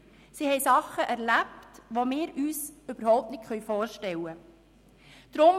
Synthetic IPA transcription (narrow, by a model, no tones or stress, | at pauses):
sihɛjsɑχːəʔæɾlæptʋomɪːɾyːsøb̥əɾhɔʊp̚tnɪtχœʏjfɔːɾʃtɛwə | d̪̥ɾʊm